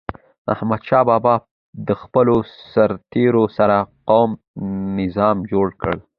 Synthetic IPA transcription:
a̰hmad̪ʃɑbɑbɑ | d̪əxpəlosaɾt̪eɾosaɾaqowm | nɪzɑmd͡ʒoɽkə̰ɭ

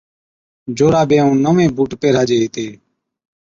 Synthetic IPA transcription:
d͡ʒoːɾaːbẽːũːnəmẽːbuːʈpeːɾaːd͡ʒeːeːt̪eː

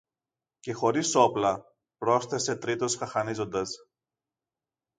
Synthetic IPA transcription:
ce̞xo̞ɾiso̞plɐ | pɾo̞sθe̞se̞t̪ɾit̪o̞sxɐxɐnizo̞nd̪ɐs

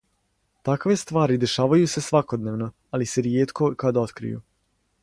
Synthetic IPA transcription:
t̪akʋe̞st̪ʋaːɾid̪e̞ʃaːʋajuse̞sʋako̞d̪neʋno | alise̞ɾijeːt̪ko̞kad̪ao̞t̪kɾḭjṵ

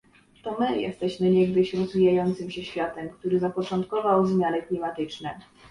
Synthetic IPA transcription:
t̪ɔmɘjʔɛ̰st̪ɛɕmɘɲɛɡd̪ɘɕɾɔzvʲijajɔnt̪sɘmɕɛɕfʲjat̪ɛmkt̪uɾɘzapɔt͡ʂɔnt̪kɔvawzmʲjanɘklʲimat̪ɘt͡ʂnɛ

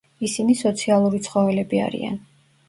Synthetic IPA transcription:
isinisɔt̪sʰialˠuɾit̪sʰχɔvɛlɛbia̰ɾḭa̰n

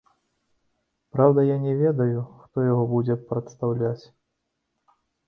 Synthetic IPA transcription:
pɾawd̪ɐjanʲɛvʲɛd̪ɐjuxt̪ɔjaɣɔbud͡zʲɛpɾɐt̪st̪awlʲat͡sʲ

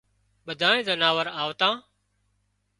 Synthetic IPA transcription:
ɓəd̪ʱaːẽːzənaːʋəɾaːʋt̪ãː

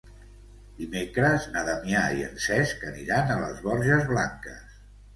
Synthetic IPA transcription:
d̪imekɾəznaðamjaḭə̰nsɛskəniɾanələ̰zβɔɾʒəzβlaŋkə̰s

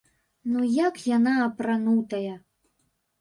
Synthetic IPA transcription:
nujakjanaːpɾanut̪ɐjɐ

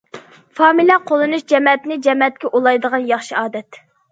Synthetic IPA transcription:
fɑːmilʲɛqʰolˠɨnuʃd͡ʒɛmɛt̪nɪd͡ʒɛmɛt̪̚kʲɛʔulˠɑjd̪əʁɑnjɑχʃiɑːd̪ɛt̪

